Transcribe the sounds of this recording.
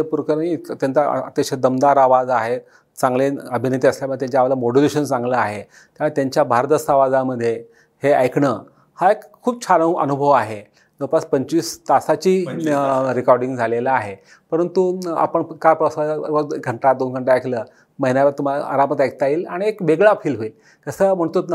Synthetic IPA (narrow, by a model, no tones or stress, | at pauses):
epuɾkəɾit̪jant͡sa̰ə̰t̪ekɕed̪əmd̪aɾaʋad͡zaɦe | t͡sãŋɡleəbʱinet̪̬iːəsljamət̪jaɲt͡ɕaʋalamoɽileɕənt͡sãŋɡləaɦe | t̪at̪jaɲt͡ɕjabʱaɾət̪əsaʋad͡zaməd̪ʱːje | heajkɳə | haekkʰːuːb̚t͡ɕʰaləuʔə̰nubʱəʋaɦe | d͡z̪əwpaspəɲt͡ɕiːst̪asat͡ɕiː | ɾikɔɾɖĩŋɡd͡zʱalelaːɦe | pəɾənt̪ua̰pəɳkaɾpɾɔsaəɡʱəɳʈad̪onɡʱəɳʈaajkʰləː | məɦinjaʋəɾt̪um̤alaʔa̰ɾamət̪ajk̚t̪aiːlaɽ̃iekʋeɡɭapʰiːlɦoil | kəsəːm̤əɳt̪ut̪n